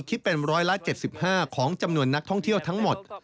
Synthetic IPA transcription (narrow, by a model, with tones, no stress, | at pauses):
kʰi˦˥t̪̚pe˧nɾɔː˦˥jla˦˥t͡ɕe˨˩t̪̚si˨˩p̚haː˥˩kʰɔː˩˦ŋt͡ɕa˧mnu˧ənːa˦˥k̚t̪ʰɔ˥˩ŋt̪ʰi˥˩əwt̪ʰa˦˥ŋmo˨˩t̪̚